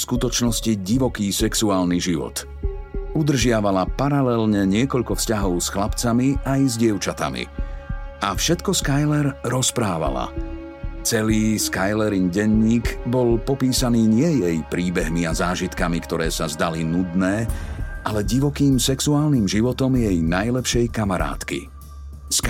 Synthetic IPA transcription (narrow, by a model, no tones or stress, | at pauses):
skut̪ɔt͡ʃnɔsciɟiʋɔkiːsɛksuaːlniʒiʋɔ̰t̪ | ud̪r̩ʒɪaʋalapaɾalɛlɲɛɲɪɛkɔʎkɔfscaɦɔʊsxlapt͡samiʔajzɟɪɛʊt͡ʃat̪a̰mḭ | afʃɛt̪kɔskajlɛɾɾɔspɾaːʋa̰la̰ | t͡sɛliːskajlɛɾiŋɡɟɛɲːiːɡbɔlpɔpiːsaniːɲɪɛjɛjpɾiːbɛɦmiazaːʒit̪kamikt̪ɔɾɛːsazd̪alinud̪nɛːʔalɛɟiʋɔkiːmsɛksuaːlnimʒiʋɔt̪ɔmjɛjnajlɛpʃɛjkamaɾa̰ːt̪kḭ | sk